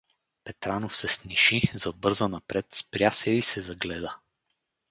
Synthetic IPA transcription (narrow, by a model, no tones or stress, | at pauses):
pɛt̪ɾanofsɛsniʃizɐbɤɾzənɐpɾɛt̪spɾʲjasɛisɛzɐɡlɛd̪ə